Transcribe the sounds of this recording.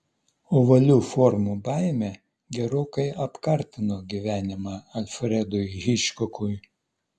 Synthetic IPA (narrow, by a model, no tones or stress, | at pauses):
oːʋɐlʲuːfɔɾmuːbɑˑɪmʲe | ɡʲɛɾoːkɐɪʔɐpkɐɾʲt̪ʲɪnoːɡʲiʋʲæːnʲɪmɑːɐlʲfɾʲɛd̪ʊjɦʲɪʃʲkɔkʊj